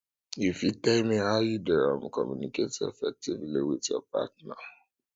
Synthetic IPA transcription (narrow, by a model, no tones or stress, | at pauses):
ifjutɛlmihaʊjudɛɹã̰mkʰɔ̰mjuniketḛfɛk̚tivliwiðjɔ̰pa̰tna